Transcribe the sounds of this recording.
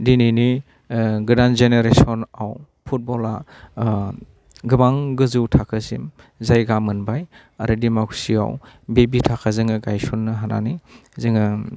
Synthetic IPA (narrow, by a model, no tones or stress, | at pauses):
dinini | ɡɯdanzeneɾesɔnaw | pʰut̚bɔla | ɡɯmaŋɡɯzɯwtʰakʰɯzḭm | zajɡamɯnbaj | aɾɯdimakʰsia̰wbebitʰakʰazɯŋɯɡajsunːɯɦana̰nizɯŋɯ